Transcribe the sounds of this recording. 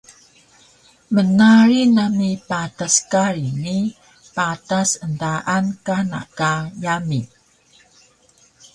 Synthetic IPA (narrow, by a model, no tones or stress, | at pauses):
mənaɾinamipataskaɾini | patasəndaʔankana̰kajami